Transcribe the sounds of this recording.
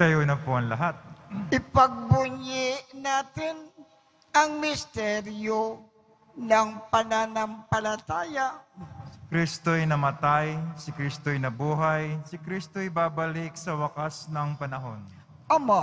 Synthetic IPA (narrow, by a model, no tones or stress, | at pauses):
t̪ɐjoːnɐpoʔɐŋlɐɦat̪̚ʔɪpɐɡ̚bʊɲjɪnaːt̪ɪn | ʔɐŋmɪst̪ɛɾjo | nɐŋpɐnanɐmpɐlɐt̪aːjasɪ̥kɾist̪ojnɐmɐt̪ajsɪkɾist̪ojnɐbuːɦajsɪkɾist̪oɪbaːbɐlɪk̚sɐwɐkasnɐŋpɐnɐɦo̞n | ʔɐma